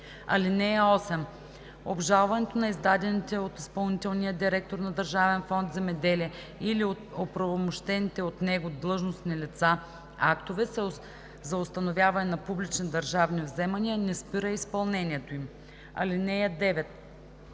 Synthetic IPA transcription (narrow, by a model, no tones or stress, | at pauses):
ɐ̰linɛjəɔsɛm | obʒalˠvɐnɛt̪onɐizd̪ad̪ɛnit̪ɛot̪ispɐlˠnit̪ɛlˠnijəd̪iɾɛk̚t̪oɾnɐd̪ɐɾʒavɛnfɔnt̪zɛmɛd̪ɛliɛ | iliot̪opɾɐvomoʃt̪ɛnit̪ɛot̪nɛɡod̪lˠɤʒnosnilit̪sa | akt̪ovɛsɛ | zɐost̪ɐnovʲjavɐnɛnɐpublit͡ʃnid̪ɐɾʒavnivzɛmɐniənɛspiɾəispɐlˠnɛnʲiɛt̪oim | ɐ̰linɛjəd̪ɛvɛt̪̚